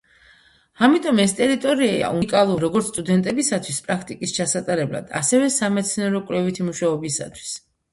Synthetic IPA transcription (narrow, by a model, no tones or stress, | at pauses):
amit̪ʼɔmɛst̪ʼɛɾit̪ʼɔɾiaa̰ʔukʼalˠuɾɔɡɔɾt̪sʰt̪ʼud̪ɛnt̪ʼɛbisat̪ʰwispʼɾakʰt̪ʼikʼist͡ʃʰasat̪ʼaɾɛbla̰d̪̥a̰sɛvɛsamɛt̪sʰnɛɾɔkʼwlɛvit̪ʰimuʃaɔbisa̰t̪ʰwi̥s